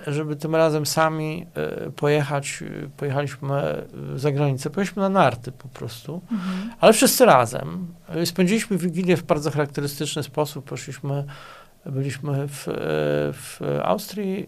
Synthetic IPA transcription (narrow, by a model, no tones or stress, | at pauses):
ʐɛbɘt̪ɘmɾazɛmsamʲḭpɔjɛxat͡ɕpɔjɛxalʲiɕmɘ̰zaɡɾaɲit̪sɛpɔjɛiɕmɘnanaɾt̪ɘpɔpɾɔst̪ualɛfʂɘst̪sɘɾazɛ̰mspɛɲʲd͡ʑilʲiɕmɘvʲiɡʲilʲjɛvbaɾd̪zɔxaɾak̚t̪ɛɾɘst̪ɘt͡ʂnɘspɔsupːɔʂlʲiɕmɘ | bɘlʲiɕmɘf | fa̰wst̪ɾʲji